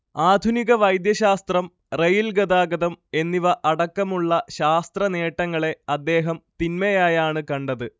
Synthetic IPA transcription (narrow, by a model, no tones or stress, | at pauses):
aːd̪ʱuniɣɐʋɐjd̪jɐɕaːst̪rɐm | rejilɡɐd̪aːɡɐðɐme̞nːiʋɐʔɐɽɐkːɐmuɭːɐɕaːst̪rɐne̞ːʈːɐŋːɐɭe̞ɐd̪ːe̞ːɦɐmt̪inmɐjaːjaːɳɨkɐɳɖɐðɨ